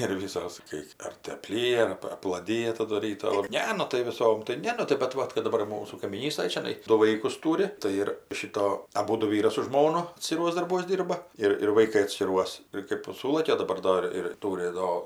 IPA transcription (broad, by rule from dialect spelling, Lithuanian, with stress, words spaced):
ɪr ˈʋʲiːsoːs kɐɪ ˈɐr tɐɪ ɐpʲˈlʲiːjɛ ɐr ˈɐp ɐplˠɐˈdʲɪjɛ ˈtɑːdʊ ˈrʲiːtoː oː ˈnʲɛ ˈnʊ tɐɪ ʋʲɪˈsoːm tɐɪ ˈnʲɛ nʊ tɐɪ bʲɛt ˈʋɐt kɐt dɐˈbɐr ɪr ˈmuːsuː kɐɪmʲiːˈnʲiːstɐj t͡ʃʲɛˈnɐɪ ˈdʊ ˈʋɐɪkʊs ˈtʊrʲɪ tɐɪ ˈɪr ˈʃʲɪtoː ɐˈbuːdʊ ˈʋʲiːrɐs sʊ ʒmoːnɐ ɐtʲsʲkʲɪˈruɔs dɐrˈbuɔs ˈdʲiːrbɐ ˈɪr ɪr ʋɐɪˈkɐɪ ɐtʲsʲkʲɪˈruɔs ɪr kɜp ˈsuːlˠɐkʲɛ oː dɐˈbɐr ˈdoːr ɪr ˈtuːrʲɪ ˈdoː